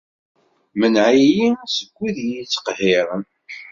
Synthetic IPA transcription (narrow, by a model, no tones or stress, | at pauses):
mənʕijisəɡʷːiðjit͡sːə̥qhɪɾˤ